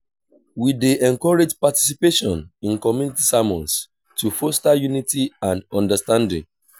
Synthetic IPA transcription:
wideʔɛ̃nkɔɹed͡ʒpati̥sipeʃɔ̃nĩnkɔmjunitisamɔ̃ns | tufostajunitiãndɔ̃ndəstãndɪ̰̃ŋ

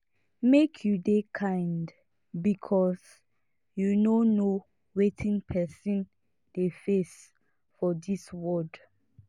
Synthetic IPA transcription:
mekʰjudekʰãɪnd | bikʰɔs | junono | wetʰĩnpʰɛsĩn | d̥efes | fɔdiswɔd

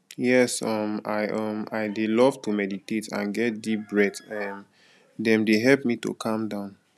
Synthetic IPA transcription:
jɛsɔmaɪʔɔmaɪdelɔv̥tumɛditetʰã̰nɡɛt̚dip̚bɹɛdɛm | dɛ̃mdeɦɛlp̚mito̰kʰɔ̃mdãʊ̃n

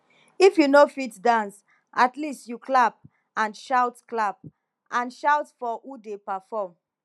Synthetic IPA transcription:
ifjunofitdãns | ʔatlistjuklap̚ | ãnʃawtklap̚ | ʔãnʃaʊtfɔudepafɔm

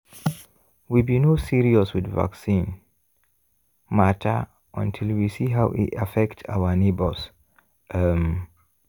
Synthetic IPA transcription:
wibinosiɹiɔswɪdva̰ksĩn | matʰə̰ | ʔə̃ntʰilˠwisiɦawʔḭtafɛktsa̰wənebəls | ʔm

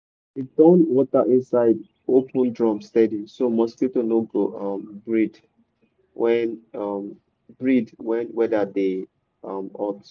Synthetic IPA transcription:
id̥ɔ̃nwɔtəʔĩnsaɪd | opə̃ndɹɔ̃mstɛdisomɔsɡitonoɡoʔʌ̃mbɹid | wʔɛ̃nʌm | bɹidwɛ̃nwɛdade | ʌmɔt

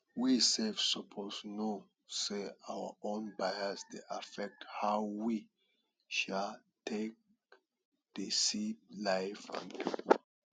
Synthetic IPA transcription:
wisɛlfsopʰosno | seawə̰õnbajəsdeʔafɛk̚thaʊwi | ʃal | tʰek̚ | d̥esip̚laɪfã̰npip

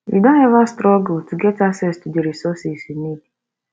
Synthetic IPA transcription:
wḭdõnhɛvastɾɔɡltuɡɛtasɛstudeɾisɔsisinidi

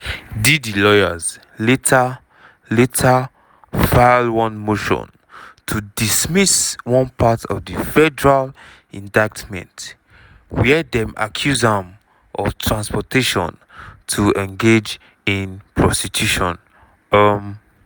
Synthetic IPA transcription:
didilɔjaz | letʰa | letʰa | faɪlwɔ̃nmoʃɔ̰̃n | tʰudismiswɔ̃npʰatʰɔ̰vdifɛdəɹal | ĩndaɪk̚tmɛ̰̃nt | wɛdɛ̃mʔa̰kʰjuzãm | ʔɔ̰ftʰɹãnspɔteʃɔ̰̃ntʰuɛ̃nɡed͡ʒ | ĩnpʰɹɔstitʰjuʃɔ̃n | am

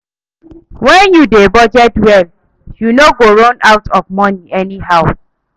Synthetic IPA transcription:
wɛ̃njudebɔd͡ʒɛtwɛl | junoɡoɹõnaʊtʰɔvmɔniɛniɦaʊ

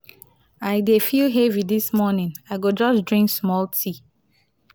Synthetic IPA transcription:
aɪdefilɦevidismɔnɪ̃naɪɡod͡ʒɔsdɹĩŋksmɔltʰi

